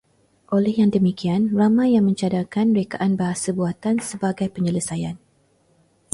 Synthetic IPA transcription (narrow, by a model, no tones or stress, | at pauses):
ʔolɛhjaŋdəmikianramãjːaŋmə̃ɲt͡ʃadakanmɾekaʔanbaɦasəbuat̪ansəbaɡajpəɲələsajan